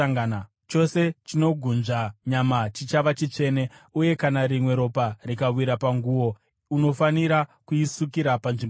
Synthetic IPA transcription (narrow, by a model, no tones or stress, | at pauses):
ŋn | t͡ʃo̞se̞t͡ʃino̞ɡʱunʐaɲamat͡ʃit͡ʃaʋat͡ʃit͡ʂe̞ne̞uje̞kanaɾimwe̞ɾo̞parikawiɾapaŋɡuwo̞ | uno̞faniɾakuisukiɾapanʐim